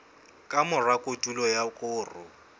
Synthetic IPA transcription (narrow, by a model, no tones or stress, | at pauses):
kʼamʊrakʼotʼulɔjakʼʊːrʊ